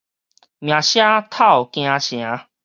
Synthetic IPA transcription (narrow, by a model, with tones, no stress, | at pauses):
mj̃ã˨ɕja˦t̪ʰa˥˨wkj̃ã˧ɕj̃ã˨˦